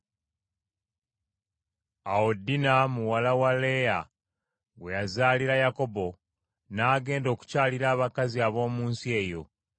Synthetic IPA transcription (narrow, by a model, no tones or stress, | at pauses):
aodinamuwalawale̞ja̰ | we̞jazaːliɾajako̞bo̞ | naːɡe̞ːndo̞ːku̥caːliɾaːβakaziaβo̞ːmuːnsie̞ːjo̞̰